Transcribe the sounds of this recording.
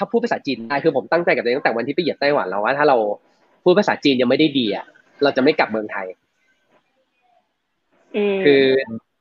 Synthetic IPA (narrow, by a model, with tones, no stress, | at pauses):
t̪ʰaː˥˩pʰuː˥˩psːt͡ɕiː˧ndaː˥˩jkʰɯː˧pʰo˩˦mt̪a˥˩ŋt͡ɕa˧jka˨˩n˧˦˥t̪ɛː˨˩wa˧nt̪ʰiː˥˩a˨˩ji˨˩p̚t̪a˥˩jwa̰˩˦nla˦˥waː˥˩t̪ʰaː˥˩ɾa˧w | pʰuː˥˩pʰa˧˩saː˩˦˥t͡ɕiː˧nja˧ŋma˥˩jda˥˩jdiː˧ʔa̰˨˩ʔ | ɾa˧wt͡ɕa˨˩ma˥˩jka˨˩p̚mɯ˧əŋt̪ʰa˧j | kʰɯː˧